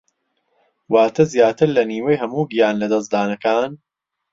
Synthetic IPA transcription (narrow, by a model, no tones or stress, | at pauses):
waːt̪ʰɐzjaːt̪ɨɾlɐniːwejhɐmuːɡijaːnlɐd̪ɐs̬d̪aːnɐkaːn